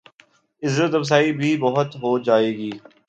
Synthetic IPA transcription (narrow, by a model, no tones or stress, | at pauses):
ɪzːət̪ɐbs̬aːibʱiːbɐɦʊt̪ɦoːd͡ʒaːeːɡiː